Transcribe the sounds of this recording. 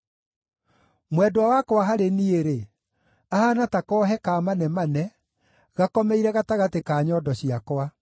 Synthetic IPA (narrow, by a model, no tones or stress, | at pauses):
mwɛdwawakwaɦaɾenieɾe | ahaːnatakɔːɦɛkaːmanɛmanɛ | ɣakɔmɛiɾɛɣataɣatekaːɲɔːdɔɕiakwa